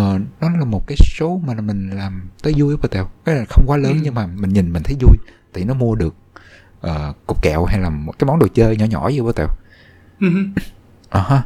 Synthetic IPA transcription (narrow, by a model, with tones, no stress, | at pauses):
əː˨˩nɔ˨˦laː˨˩mo˨˩t̚kaː˨˦jso˨˦maː˨˩mï˨˩ŋ̟laː˨˩mt̪əː˨˦jzu˧jɓəː˧˩t̪ɛ̰˧˩wka˨˦laː˨˩xə˧wŋ͡mkwaː˨˦ləː˨˦nɲɨ˧ŋmaː˨˩mï˨˩ŋ̟ɲi˨˩nmï̟˨˩t̪ʰə˨˦jzu˧jt̪a̰ː˧˨˩jnɔ˨˦mu˧əɗɨ˨˩ək̚ | ʔəː˨˩ʊ˨˩k͡p̚kɛ̰˧˨wɦa˧jlaː˨˩kaː˨˦jmɔ˨˦nɗo˨˩t͡ɕəː˧jɲɔ̰˧˩˦ɲɔ̰˧˩˦zi˧˦ɓə˧˩t̪ɛ̰˧˩w | ʔəː˨˩ha˧